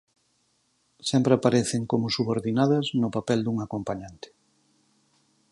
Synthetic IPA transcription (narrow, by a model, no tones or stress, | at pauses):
sɛmpɾeapaɾeθɪŋkomʊsuβoɾðinaðɐznʊpapɛld̪uŋakompaɲant̪ɪ̥